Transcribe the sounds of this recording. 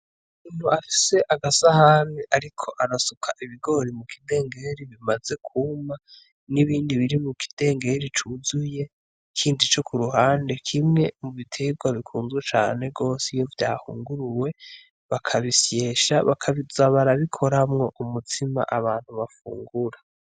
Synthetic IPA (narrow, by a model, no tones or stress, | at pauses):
umuːn̥huafi̥se̞ʔaɡasahaniʔaɾikʰo̞ʔaɾasukʰaʔiβiɡo̞ɾimukʰide̞ːŋɡe̞ɾiβimaze̞kʰuma | niβiːndiβiɾimukʰi̥d̥e̞ːŋɡe̞ɾit͡ʃuzuje̞ | kʰiːndit͡ʃo̞kʰuɾuɦaːnde̞kʰimŋe̞muβitʰe̞ɡwaβikʰuːnzɡwet͡ʃa̰ːne̞ɡo̞ːsijo̞vjaːhṵːŋɡuɾuwe̞ | βakʰaβisje̞ːʃa̰βakʰaβizaβaɾaβikʰo̞ɾamŋo̞ʔumutʰima̰ʔaβaːn̥huβafṵːŋɡuɾa